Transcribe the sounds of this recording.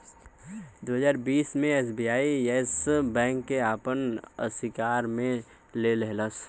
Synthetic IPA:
d̪oːɦəzaːɾbiːsmẽɛːsbiːaːiesbɛ̃ːŋkːeaːpənəsɪkaːɾmẽ | lelɛɦləs

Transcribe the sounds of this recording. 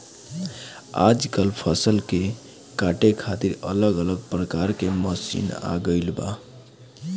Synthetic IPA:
a̰d͡ʒkəlpʰʌsəlke | kaʈekʰat̪iɾə̰ləɡələɡ̚pɾəkaɾkeməsḭna̰ɡəɪlba̰

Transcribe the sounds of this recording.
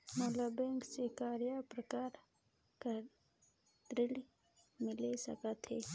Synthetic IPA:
moːlabɛ̃ːŋksekaːɾjapɾəkaːɾ | kə | t̪ɾɪli | mɪlesə̰kət̪ɦɛː

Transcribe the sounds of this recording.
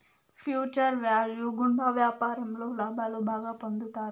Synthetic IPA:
fjuːt͡ɕəɾʋaljuɡuɳɖʱaʋjapaɾɐmlolabʱalobʱaːɡapənd̪ʱut̪aːɾ

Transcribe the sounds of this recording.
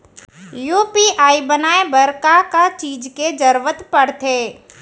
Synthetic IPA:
juːpiʔaːibənaːebɐɾkakat͡ʃiːd͡ʒked͡ʒəɾʋət̪pɐɽt̪eː

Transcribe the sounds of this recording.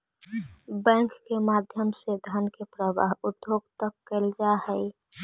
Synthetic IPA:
bɛ̃ːŋkːemaːd̪ʱjəmsed̪ʱənkepɾəba̰ːɦʊd̪ʱjoːɡt̪əkːeld͡ʒahɛi

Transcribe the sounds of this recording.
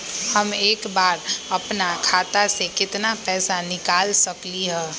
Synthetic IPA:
hɐmeːkbaːɾɐpnakʰaːt̪asekɪt̪napɛːsanɪkaːlsɐkliɦɛ̃ː

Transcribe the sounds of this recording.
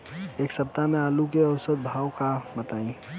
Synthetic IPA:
eːksəp̚t̪amẽaːlukeəʊsət̪̚bʱaːwkabət̪aːĩ

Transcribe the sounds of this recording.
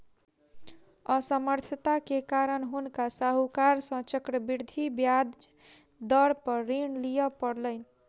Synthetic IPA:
əsəməɾt̪ʰət̪akekaɾəɳɦunkasaɦukaɾsʌ̃t͡ʃəkɾəbiɾd̪ʱibjad̪ | d̪əɾpəɾːiɳlijəpəɽləɪni

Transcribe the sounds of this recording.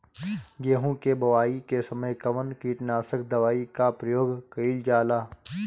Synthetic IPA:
ɡeːɦũkebɐʋaːikesɐməjkɐʋənkiːʈnaːsəkd̪ɐʋaːikapɾəjoːɡkəild͡ʒaːlaː

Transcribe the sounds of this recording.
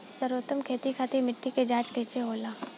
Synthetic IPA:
səɾoːt̪əmkʰeːt̪ikʰaːt̪imɪʈːiked͡ʒaːt͡ʃkeːt͡ʃeɦoːlaː

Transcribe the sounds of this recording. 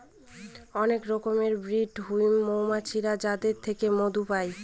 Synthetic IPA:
ɔnekɾɔkomeɾbɾiɖɦujmːowmat͡ɕʰiɾad͡ʑad̪eɾt̪ʰekemod̪upaj

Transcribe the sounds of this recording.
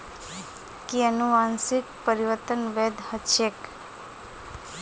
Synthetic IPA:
kiənuansik̚pəɾiʋət̪ənʋed̪ʱhəʃek

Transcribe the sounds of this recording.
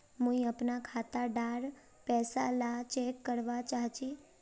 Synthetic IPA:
mũiəpnakʰat̪aɖaɾ | pɛsalat͡ʃɛkːəɾʋat͡ʃaɦt͡ʃi

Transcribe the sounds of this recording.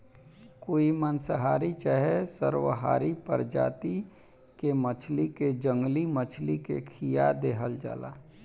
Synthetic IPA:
koːimənsəɦaːɾit͡ʃəɦɛsə̰ɾwəɦa̰ːɾipə̰ɾd͡ʒa̰ːt̪i | kemət͡ʃʰliked͡ʒə̃ŋɡlimət͡ʃʰlikḛkʰijad̪eːɦəld͡ʒa̰ːla̰ː

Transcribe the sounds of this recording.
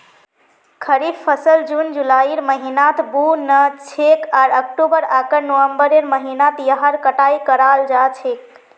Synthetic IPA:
kʰəɾit̪pʰəsəld͡ʒund͡ʒulaiɾməɦinat̪ʰbunət͡ʃʰekaɾək̚ʈobəɾakəɾnowəmbəɾeɾməɦinat̪jəɦəɾkəʈajikəɾald͡ʒat͡ʃʰek̚

